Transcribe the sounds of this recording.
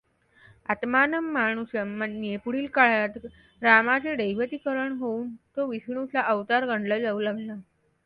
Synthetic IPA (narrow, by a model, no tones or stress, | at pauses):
at̪manəmːaɽ̃uɕəmːənːiepuɽiːlkaɭjat̪ | ɾamat͡seɖəjʋət̪iːkəɾəɳɦouːnt̪oʋisɳut͡saʔəʋt̪aɾɡəɳɖləːd͡zaulaɡla